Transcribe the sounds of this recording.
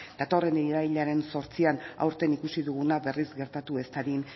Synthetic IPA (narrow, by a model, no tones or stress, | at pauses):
d̪at̪o̞re̞neɾajʎaɾe̞nso̞ɾt͡siana̰wɾt̪e̞nikusiðuɣ̞unaβe̞rizɡe̞ɾt̪at̪uest̪aɾin